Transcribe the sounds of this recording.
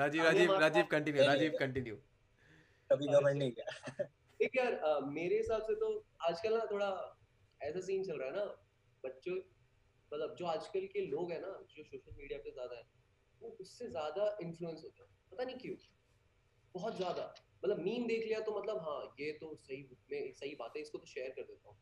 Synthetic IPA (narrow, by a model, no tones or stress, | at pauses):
ɾaːd͡ʒiːɾaːiːɾaːd͡ʒiːbkɐ̃ɳʈɪnjuɾaːd͡ʒiːbkɐ̃ɳʈɪnju | kɐbʱiɡɐməlnĩa | ʈʰiːkʰjaːɾəːmeːɾeɦɪsaːbset̪oaːd͡ʒkəlat̪ʰoːɽa | ɛːs̬as̬iːnt͡ʃɐlɾaːɦɛna | bɐtːʃõe | mɐt̪ləb̚d͡ʒoːaːd͡ʒkəlkeloːɡɦɛ̃ːnad͡ʒoːsoːʃəlmiːɖijapezjaːd̪aɦɛ̃ | ʋoʊsːezjaːd̪aɪ̃nfluːə̃nsɦoːt̪aːɛ | pɐt̪aniɦĩkjũː | bɔɦɔt̪zʲjaːd̪amɐt̪ləbmiːmd̪eːkʰlijat̪omɐt̪ləbɦãːjet̪osɐɦimɛ̃sɐɦibaːt̪ẽɦɛɪskot̪oʃeːəɾkɐɾd̪eːt̪aɦũː